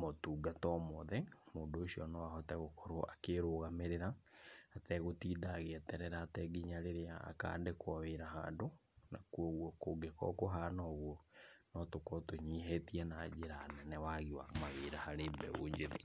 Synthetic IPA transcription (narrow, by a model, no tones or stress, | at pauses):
motuːɡatɔmɔðɛmoːndoːɕiɔnɔaɦɔtɛɣokɔɾoa̰keɾoːɣameɾeɾaː | tɛɣotiːdaːɣeɛtɛɾɛɾaːtɛɡiɲaɾeɾeaa̰ka̰ːdekwaweːɾaɦa̰ːdo | na̰kuɔɣwɔkoɡekɔ̰koɦanɔɣwɔnɔtokɔtoɲiːɦetiɛnaːd͡ʑeɾanɛnɛwaɣiwa̰maɣeɾahaɾeːbɛ̰o̰ɲd͡ʒeðḛ